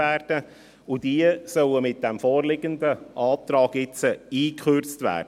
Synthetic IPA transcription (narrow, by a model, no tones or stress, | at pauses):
æːrd̥ə | ʊd̥iəsœwəmɪt̚d̥ɛmfɔːrlɪɡəndəʔɑːt̪ɾɑːɡ̥ɪt͡səiːkχørt͡stvæ̰ːrdə